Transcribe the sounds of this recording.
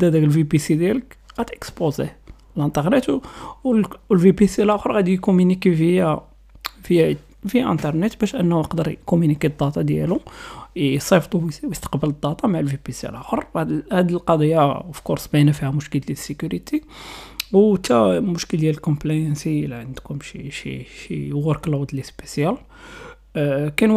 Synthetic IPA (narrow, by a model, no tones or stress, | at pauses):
d̪æd̪ækəlvipisid̪jæləkɣæt̪ʔəkspozḛ | lʔənt̪ˤəɾnət̪wwlvipisilʔæxəɾˤɣæd̪ijkumynikivijæ | fəj | vijːæʔæ̰nt̪əɾˤnət̪bæʃʔənːhujəqd̪əɾˤkumynikid̪ˤːɑt̪ˤɑd̪jæ̰lu | sˤefd̪ˤuwjəst̪ə̥qbələd̪ːɑt̪ˤɑmaʕlvipisiæ̰lʔæxəɾˤd̪hæd̪əlqɑd̪ˤijːafi̥kʊɾsˤbæjnæfihæmʊʃkəllisəkuɾit̪ʰi | wt̪æmʊʃkəld̪jæləlkɔmplæjənsiliʕənd̪kʊmʃiʃḭʃijɣʊɾkəld̪ˤlispesjæl | kæn